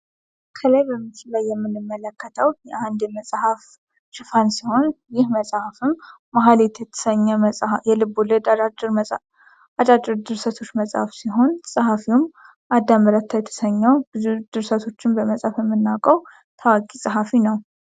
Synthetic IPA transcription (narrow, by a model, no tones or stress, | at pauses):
kʰələjbəmːɨt͡ʃɪlajːɛmːɨnːɨmːələkːət̪ʰəwjɛʔand̪jɛməsʼhaf | ʃɪfansiho̞njɪhməsʼhafɨmː | aɦalet̪jɛt̪ʰə̥səɲːɛjɛlɨboləd̪ɾ | ad̪ʼad̪ɨɾd̪ɨɾsət̪ʰo̞t͡ʃːməsʼhafsiɦo̞nsʼahafiwʊm | ʔad̪ːaməɾat̪ʰːajɛt̪ʰə̥səɲːəwbɨzud̪̥ɨɾsət̪ʰo̞t͡ʃːɪnbəməsʼhafjɛmːɨnːakʼəw | t̪ʰawakʼisʼaɦafinəw